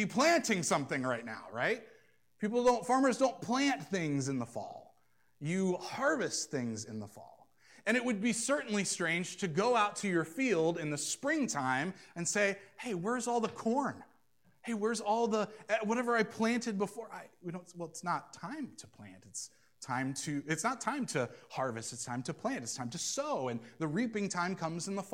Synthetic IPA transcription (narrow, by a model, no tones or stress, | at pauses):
bipʰl̥æ̃ntɪ̃ŋsʌ̃mθɪ̃ŋɹaɪtⁿna̰ʊɹaɪt̚ | pʰipl̩ˠdõʊ̃ntfɑɹmə˞zdõʊ̃npʰl̥æ̃nθɪ̃ŋzɨ̃nðəfɔ̰lˠ | jɨhɑɹvɨsθɪ̃ŋzɨ̰̃nðəfɔ̰lˠ | ɨ̃ɾ̃ɨt̚wɨd̚bisɜ˞ʔn̩listɹ̥ẽɪ̃nd͡ʒʒ̥tʰɨɡoʊaʊtʰɨjə˞filˠdɨ̃nðɨspɹɪ̃ŋtʰãɪ̃mɨ̃nseɪheɪwə˞zɔlˠðəkʰɔɹn | heɪwə˞zɔlˠðəwʌɾɛvə˞aɪpʰl̥æ̃ntɨd̚bəfɔɹʔaɪwinõʊ̃wɛlˠɨtsnətʰãɪ̃mtʰəpʰl̥æ̰̃ntɨts | tʰãɪ̃mtʰɨɪtsnətʰãɪ̃mtʰɨhɑɹvɨstɨtstʰãɪ̃mtʰɨpʰl̥æ̃ntɨtstʰãɪ̃mtʰɨsoʊɨ̃nðɨɹipɪ̃ŋtʰãɪ̃mkʰʌ̃mzɨ̃n̩ðəf